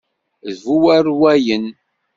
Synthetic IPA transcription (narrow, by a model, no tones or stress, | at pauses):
ðvuwæɾwæjən